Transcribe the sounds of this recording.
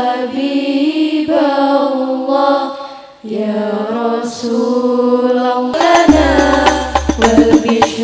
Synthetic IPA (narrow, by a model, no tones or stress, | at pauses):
abi | balˤːɑːh | jaːɾˤɑsuːlalˤːlanaː | walbɪʃ